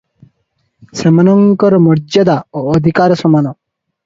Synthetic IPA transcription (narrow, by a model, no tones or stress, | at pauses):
səmanɔŋkɔɾmɔɾd͡ʒɔd̪aoːd̪ʱikaɾsɔmanɔ